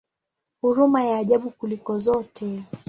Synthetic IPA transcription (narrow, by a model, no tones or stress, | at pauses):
huɾumajaːʄaɓukulikɔzɔtʰɛ